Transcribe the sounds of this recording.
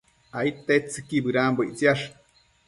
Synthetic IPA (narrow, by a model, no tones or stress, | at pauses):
ait̪et͡sɨkibɨɾaːmboit͡siaʂ